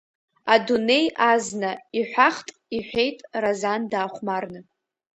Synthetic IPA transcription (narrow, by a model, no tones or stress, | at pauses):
adune̞jaznaiħʷᶣaχtʼiħʷᶣe̞jtʼrazandaːχʷmarnɨ